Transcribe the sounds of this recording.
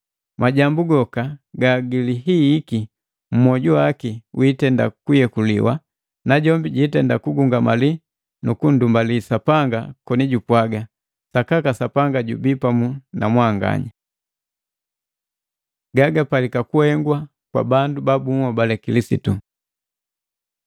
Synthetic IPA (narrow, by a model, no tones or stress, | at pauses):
maɟambuɡɔkaɡaɡiliɦiːki | m̩mɔɟuwakiwitɛnda̰kujɛkulḭwa̰ | naɟɔmbiɟitɛndakuɡuŋɡamali | nukun̩dumbalisapaŋɡakɔniɟupwaɡa | sakakasapaŋɡaɟubipamunamwaŋɡa̰ɲa | ɡaɡapalikakuhɛŋɡwa | kwa̰bandubabuŋɔbalɛkilisḭtu